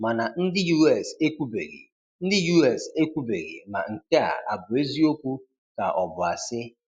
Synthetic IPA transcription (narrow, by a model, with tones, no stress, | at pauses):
ma˨na˨n̩˦dɪ˦ju˦ɛ˨se˦kʷu˦be˨ɣḛ˨ | n̩˦dɪ˦ju˦ɛ˨se˦kʷu˦be˨ɣḛ˨ma̰˨ŋ̩˨ke˦a̰˨a̰˨bʊ˨e˦zi˦o˦kʷu˦ | ka̰˨ʔɔ˨bʊ˨a˨sɪ˦